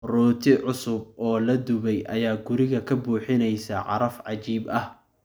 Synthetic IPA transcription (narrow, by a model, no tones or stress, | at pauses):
ruːt̪ʰɪʕʊsʊb̚ɔːlɐd̪ʊβɛjʔɐjaːɡʊɾɪɣɐkʰɐbuːħɪnɛjsɐʕɑ̰ɾɐfʕɑt͡ʃiːbɐh